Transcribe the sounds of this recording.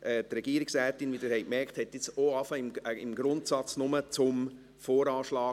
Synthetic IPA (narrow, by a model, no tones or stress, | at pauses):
ʔɛːt̪ɾɛɡ̥iːɾɪksæːtːɪnvidɛɾhɛɪkmɛɾkthɛtːɪt͡soɑfɑɪməɪmɡɾʊntsɑt͡snʊmət͡sʊm | foːɾɑːʃlɑː